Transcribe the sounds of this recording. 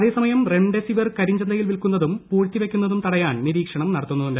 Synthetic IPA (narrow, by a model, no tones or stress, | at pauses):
ɐðe̞ːsɐmɐjɐmre̞ɳɖesiʋɐrkɐɾiɲd͡ʑɐnd̪ɐjilʋilkunːɐðumpuːɻt̪ːiʋe̞kʲːunːɐðumt̪ɐɽɐjaːɳniɾiːkʂɐɳɐmnɐɽɐt̪ːunːɐðuɳɖ